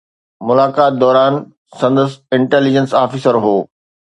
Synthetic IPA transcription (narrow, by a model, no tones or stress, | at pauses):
mʊlaːkaːt̪̚d̪ɔːɾaːn | sɐ̃nd̪əsɪ̃ɳʈɛːlid͡ʑənsaːfiːsəɾɦoː